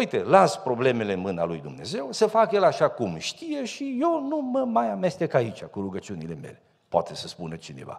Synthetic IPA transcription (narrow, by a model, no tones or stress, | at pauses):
ujt̪e̞laspɾo̞ble̞me̞le̞nmɨnalujd̪umne̞̰ze̞wsəfakjelaʃakumʃt̪ije̞ʃijewnuməmajame̞st̪ekait͡ʃakuɾuɡət͡ʃiunile̞me̞̰le̞ | poa̰t̪esəspunət͡ʃine̞̰va̰